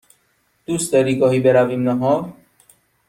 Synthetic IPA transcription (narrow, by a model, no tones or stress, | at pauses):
t̪ust̪eːɾiːkɔːɦiːbeɾaːʋimnaɦoː